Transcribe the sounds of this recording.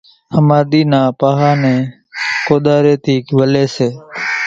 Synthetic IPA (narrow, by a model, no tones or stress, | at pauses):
həmaːɗ̪iːnãːpaːɦaːnẽː | koːɗ̪aːɾeːt̪ʰiːkʋəleːseː